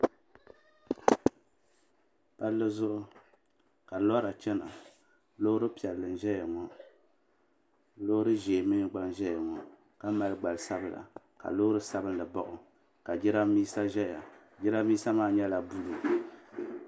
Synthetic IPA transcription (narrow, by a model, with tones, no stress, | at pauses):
pa˦lːɨ˦zʊ˦ʔʊ˦ | ka˨lɔ˦ɾa˨t͡ʃɛ˦na̰˨ | lo˦ɾɨ˦pi˨ɛ˨lːɨ˨n˨ʒɛ˦ja˨ŋɔ˦ | lo˦ɾɨ˦ʒeː˨mɨ˦nɨ˦ɡ͡ba˦nʒɛ˦ja˨ŋɔ˨ | ka˦ma˨lɨ˦ɡ͡ba˨lsa˦bɨ˦˨la̰˨ | ka̰˨lo˦ɾɨ˦sa˦bɨ˦n˦lɨ˨bɔ˦ʔʊ˨ | ka˨d͡ʒɪ˦ɾa˦miː˦sa˦ʒɛ˦ja̰˨ | d͡ʒɪ˦ɾa˦miː˦sa˦maː˦˨ɲɛ˦la˨bu˦lu˨